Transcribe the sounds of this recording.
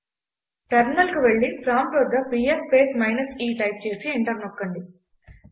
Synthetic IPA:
ʈɐɾnɐlkuʋe̞ɭːipɾaːmʈʋɐd̪ːɐpiːespe̞ːsmɐjnɐsiːʈɐjp̚t͡ʃe̞ːsieɳʈɐɾnɔkːɐɳɖi

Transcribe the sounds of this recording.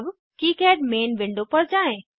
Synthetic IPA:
b | kiːkɛːɖmeːnʋɪ̃ɳɖopɐɾd͡ʑaːẽ

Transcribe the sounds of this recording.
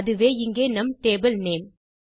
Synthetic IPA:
ðɯʋeːɪŋɡeːnɐmʈeːbɐlneːm

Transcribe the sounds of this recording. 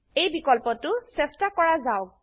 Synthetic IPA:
ejbikɔlpɔtʊsɛstakɔɹazaʊk̚

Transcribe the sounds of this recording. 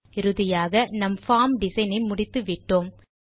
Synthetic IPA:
ɪɾɯðɪjaːɣɐnɐmfaːmɖɪsɐɪnɐɪmʊɽɪt̪ːɯʋɪʈːoːm

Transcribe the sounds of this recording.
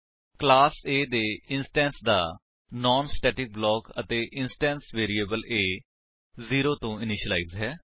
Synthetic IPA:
klaːseːd̪eːɪnsʈɛ̃ːnsd̪a̰ː | nɔːnsʈɛːʈɪk̚blɔːkə̰t̪eːʔɪnsʈɛ̃ːnsʋeːɾiːeːbəleː | ziːɾoːt̪õːɪnɪʃəla̰iːzɦɛː

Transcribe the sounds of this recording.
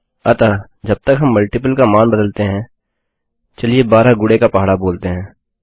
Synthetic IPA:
ɐt̪aː | d͡ʒɐb̚t̪əkɦɐmːɐlʈɪp̬əlkamaːnbəd̪əlt̪eɦɛ̃ː | t͡ʃɐlijebaːɾaɡʊɽekapaɦːɽaboːlt̪eɦɛ̃ː

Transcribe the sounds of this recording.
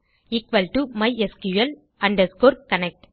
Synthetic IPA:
ɪkʋɐlʈumɐɪʔeskjuɐl | ɐɳɖɐskoːɾkɐnɛk̚ʈ

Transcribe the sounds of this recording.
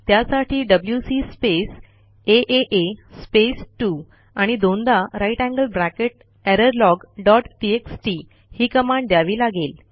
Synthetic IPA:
t̪jasaʈʰiːɖəbljusispes | eʔeʔespesʈu | aɽ̃id̪ond̪aɾaiʈæ̃ŋɡəlbɾækeʈ̚ | ɛɾəɾlɔɡɖɔʈʈieksʈi | hiːkəmãɳɖd̪jaʋiːlaɡel

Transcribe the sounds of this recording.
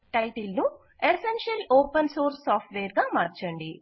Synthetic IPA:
ʈɐjʈilnu | esenʃɐloːpɐnsoːɾsːaːpʰʈʋeːɾɡaːmaːɾt͡ʃɐɳɖi

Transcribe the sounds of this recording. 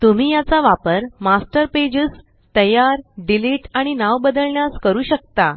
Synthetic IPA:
t̪um̤iːjat͡saʋapəɾmasʈəɾped͡ʑəːs | t̪əjaɾɖiliʈaɽ̃inaʋbəd̪əlɳjaskəɾuːɕək̚t̪a

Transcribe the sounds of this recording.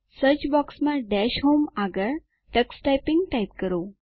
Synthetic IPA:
səɾt͡ɕbɔksmaɖæɕɦomaɡəɾ | ʈəksʈajpiŋɡʈajp̚kəɾo

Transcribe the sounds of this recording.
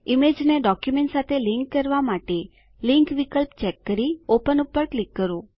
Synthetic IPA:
imed͡ʒneɖɔkjumẽɳʈsat̪ʰeliŋkːəɾʋamaʈe | liŋkʋikəlpt͡ʃɛkːəɾiopənupːəɾklikːəɾo

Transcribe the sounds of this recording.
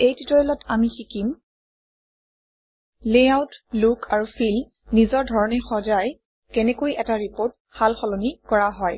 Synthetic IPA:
ejtitɔɔlɔtʰamixikim | leawtlukʰaɹufʰil | nizɔɹdʱɔɹɔnɛxɔd͡ʒaj | kɛnɛkojʔɛtaɹipoɹt̚halxɔlɔnikɔɹaɦɔj

